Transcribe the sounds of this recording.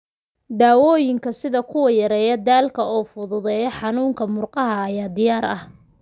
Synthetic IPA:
d̪aːwɔːjɪŋkʰɐsɪðɐkʰʊwɐjɐɾɛːjɐd̪aːlkʰɐɔːfʊðʊðɛːjɔħɑnuːŋkʰɐmʊrqɑɦɐːjaːd̪ɪjaːɾɐh

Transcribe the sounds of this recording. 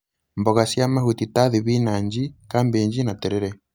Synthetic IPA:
mbɔɣasjamahutitaðiβiːnaːɲd͡ʒikaːmbeːɲd͡ʒinateɾeɾɛ

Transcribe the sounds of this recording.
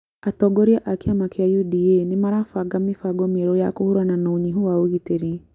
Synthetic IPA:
atɔɡɔɾiaʔakeamakeajudienɪmaɾafaɡamifaɡɔmeɾɔjakohuɾananooɲiɦuwaoɣiteɾi

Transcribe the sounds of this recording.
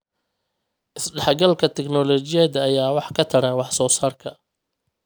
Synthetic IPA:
ʔɪsɖɑħɡɐlkʰɐt̪ʰɛknɔlɔt͡ʃɪjɐd̪ɐːjaːwɑħkʰɐt̪ʰɐɾɐnwɑħsɔːsaːrkʰɐ

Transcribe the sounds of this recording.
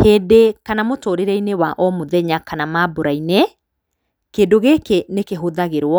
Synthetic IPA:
heːdekanamotoːɾeɾɛinewaʔɔmoðɛɲakanamaboɾaine | keːdoɣekenekeɦoðaɣeɾwɔ

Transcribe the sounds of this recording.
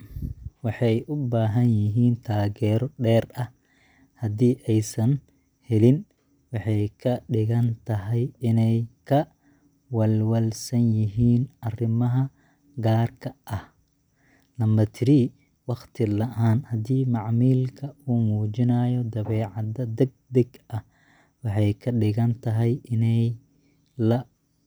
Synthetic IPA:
wɑħɑjʔʊbaːɦɐnjɪɦiːnt̪ʰaːɣɛːɾɔɖɛːrɐh | hɐd̪iːʔɛjsɐn | hɛlɪn | wɑħɑjkʰɐɖɪɣɐnt̪ʰɐɦɛjɪnɛjkʰɐ | wɐlwɐlsɐnjɪɦiːnɐrɪmɐɦɐ | ɡaːrkʰɐʔɐh | lɐmɐt̪ʰɪɾi | wɑχt̪ʰɪlɐʔaːnhɐd̪iːmɑʕmiːlkʰɐuːmuːd͡ʒɪnɐːjɔd̪ɐβɛːʕɑd̪ɐd̪ɐɡ̚d̪ɐɡɐh | wɑħɑjkʰɐɖɪɣɐnt̪ʰɐɦɛjʔɪnɛj | lɐ

